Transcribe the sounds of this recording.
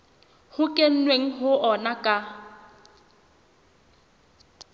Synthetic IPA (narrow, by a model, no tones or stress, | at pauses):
hʊkʼen̩nweŋ̩ɦʊʔɔnakʼa